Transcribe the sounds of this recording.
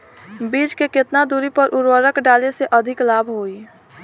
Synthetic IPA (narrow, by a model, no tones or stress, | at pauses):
bid͡ʒkeket̪nad̪uɾipəɾʔuɾwəɾəkɖaleseʔəd̪ʱɪklabʱɦoi